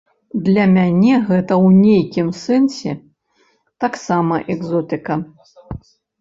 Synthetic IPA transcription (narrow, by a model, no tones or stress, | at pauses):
d̪lʲɐmʲanʲɛɣɛt̪ɐwnʲejkʲimsɛnsʲɛ̰ | t̪aksamɐʔɛɡzɔt̪ɨkɐ